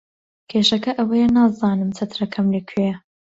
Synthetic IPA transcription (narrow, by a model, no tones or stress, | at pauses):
kʰeːʃɐkɐʔɐwɐjɛnaːzɑːnɨmt͡sʰɐt̪ʰɾɐkʰɐmlekʰeɐ